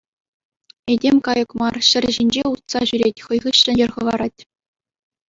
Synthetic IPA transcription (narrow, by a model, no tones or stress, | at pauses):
edʲemʲkɑjɤ̆kmɑrɕɘ̆rʲʑinʲd͡ʑeut̪sɑʑyɾʲetʲχɤ̆jʁɯɕːɘ̆d͡ʑerʁɤ̆ʋɑɾɑtʲ